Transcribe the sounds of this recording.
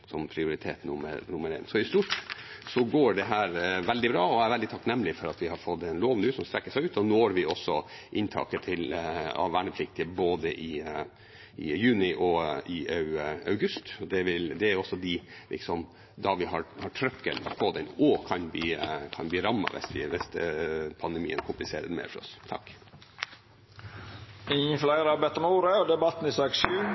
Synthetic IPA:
sɔmpʰɾɪʊɾɪt̪ʰḛːt̪nʊmə̰ɾnʊmːəɾɛ̰ɪnsɔɪst̪uːʈsɔɡoːɖɛɦæːɾʋɛld̪ɪbɾɑːɔæɾʋɛld̪ɪt̪ʰɑknɛmːlɪfɔɾɑt̪ʋɪhɑɾfɔt̪ːɛnloːʋənʉːsɔmst̪ɾɛkːəʂæɪʉːt̪ɔnoːɾʋɪɔsːɔʔɪnt̪ʰɑ̰ːkət̪ʰɪlɑ̰ʋæːɳəpʰlɪk̚t̪ɪəboːd̪əʔɪ | ɪ̰jʉːnɪʔɔɪɑʉɑʉɡʉst̪ɔd̪ɛʋɪld̪ɛæɾɔsːɔd̪ɪlɪ̰ksɔm | d̪ɑʋɪɦɑɾhɑʈʰɾœkːə̰npʰɔd̪ɛnɔkʰɑnbliːkʰɑnbliːɾɑmːɑ̰ʋɛ̰sʋɪʋɛsd̪ɛpʰɑnd̪ɛmḭːə̰nkʰʊmplɪsḛːɾəɾmḛːɾfɔɾɔ̰st̪ʰɑ̰kː | ɪɲflæɪɾɑbɛt̪ːəmuːɾəɔd̪ɛbɑt̪n̩ɪsɑkʃʉ

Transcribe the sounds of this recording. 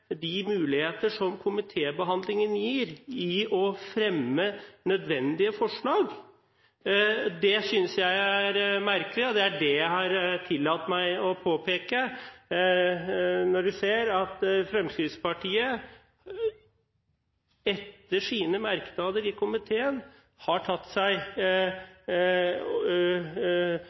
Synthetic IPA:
d̪ɪmʉːlɪheːt̪əʂɔmkʰʊmɪt̪ʰeːbəɦɑnd̪lɪŋənjiːɾɪɔfɾɛmːənœd̪ʋɛnd̪ɪəfɔʂɭɑːɡ | d̪ɛsʏnsjæɪæɾmæɾkəlɪɔd̪ɛæɖɛjæɦɑɾt̪ʰɪlːɑt̪ːmæɪɔpʰoːpʰeːkə | nɔɖʉseːɾɑt̪fɾɛmskɾɪspɑʈʰiːə | ɛt̪ːəʂiːnəmæɾkəd̪ɑːd̪əɾɪkʰʊmɪt̪ʰeːən | hɑʈʰɑt̪ːsæɪ

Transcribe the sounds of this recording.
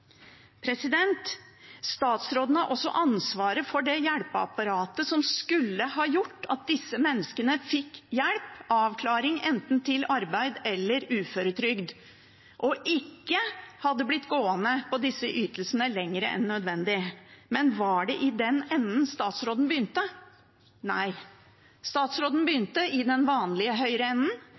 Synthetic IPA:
pʰɾɛsɪd̪ɛnt̪ | st̪ɑːt̪sɾoːd̪ənəʔɔsːɔ̰ʔɑnsʋɑːɾəfɔɖɛjæɽpəɑ̰pɑɾɑːt̪əsɔmskʉlːəhɑːjʊʈːɑt̪̚d̪ɪsːəmɛnːəskənəfɪkːjæɽpʔɑːʋkʰlɑːɾɪŋɛnt̪n̩t̪ʰɪlɑɾbæɪd̪ɛlːəɾʉːføːɾət̪ʰɾʏɡd̪ | ʔɔʔɪkːəhɑd̪ːəblɪt̪ːɡoːənəpʰɔd̪ɪsːəʔyːt̪əlsənəlɛŋːəɾə̰ʔɛ̰nːœd̪ʋɛnd̪ɪmɛnʋɑɖɛʔɪd̪ɛnɛnːnst̪ɑːt̪sɾoːd̪n̩bəjʏnt̪ə | næɪ | st̪ɑːt̪sɾoːd̪n̩bəjʏnt̪əʔɪd̪ɛnʋɑːnlɪəɦœʏɾəɛnːən

